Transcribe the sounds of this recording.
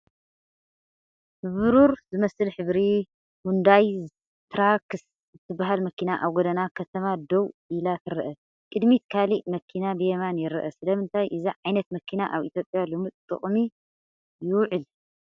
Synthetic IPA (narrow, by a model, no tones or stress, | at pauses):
hɨβɨɾuɾzɨmɐsɨlħɨβɾi | hund̪aj | t̪ʰɾakɨs | ɨt̪ʰːɨbaɦalmɐkʰinaʔaβɡod̪ɐnakʰɐt̪ʰɐmad̪owilat̪ʰɨɾɐʔɐ | kʼɨd̪mit̪kʰaliʔmɐkʰːinabɨjɛmanjɪɾɨʔɐsɨlɐmɨnt̪ʰajʔɨziʕajnɐt̪mɐkʰinaʔaβʔḭt̪ʰjo̞pʼjalomɨt̪ʼt̪ʼɨ̰χʼmi | jɪwʕɨl